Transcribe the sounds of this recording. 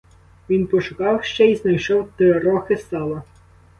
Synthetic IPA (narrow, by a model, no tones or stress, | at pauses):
ʋʲinpɔʃʊkɑwʃt͡ʃɛiznɐjʃɔwt̪ɪɾɔxɪst̪ɑlˠɐ